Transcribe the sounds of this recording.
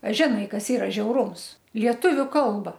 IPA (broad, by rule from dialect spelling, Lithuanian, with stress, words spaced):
ɐ ʒʲɪˈnɐɪ ˈkɐs ˈiːrɐ ʒʲɛʊˈruːms ˈlʲiɛtʊʋʲʊ ˈkɐlˠbɐ